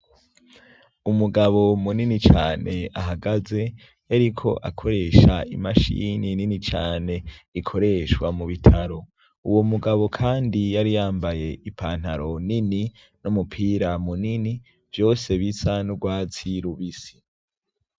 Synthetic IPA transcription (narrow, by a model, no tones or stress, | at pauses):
umuɡaβo̞muninit͡ʃaːnʔe̞aɦaɡaze̞ | jaɾikʰo̞ʔakʰo̞ɾe̞ʃaḭmaʃḭnininit͡ʃaːne̞ikʰo̞ɾe̞ʃwamuβitʰaɾo̞ | uwomuɡaβo̞kʰaːndijaɾijaːmbaje̞ipʰaːn̥haɾo̞nini | numupʰiːɾamunini | vjo̞ːse̞βisanuɡwaːt͡siɾuβisi̥